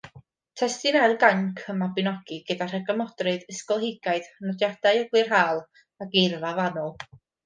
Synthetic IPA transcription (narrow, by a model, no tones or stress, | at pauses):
tʰɛstɨnɛlˠɡaŋkʰəmabɪnɔɡ̥iɡədar̥əɡɔmɔd̥rɨðəskɔlˠhɪɡaɨð̥nɔdjad̥ajəɡlˠɨrɦaːlˠ | aɡejrvavanɔlˠ